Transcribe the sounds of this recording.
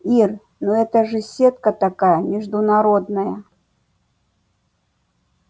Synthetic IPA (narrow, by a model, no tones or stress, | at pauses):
ir | nuɛt̪ɐʐɨsʲɛt̪kɐt̪akajɐmʲiʐd̪unaɾɔd̪nɐjɐ